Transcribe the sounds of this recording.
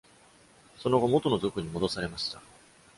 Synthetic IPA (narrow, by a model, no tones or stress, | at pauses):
so̞no̞ɡo̞mo̞t̪o̞no̞zokɯ̟ɲ̟imo̞d̪o̞saɾe̞maɕi̥t̪a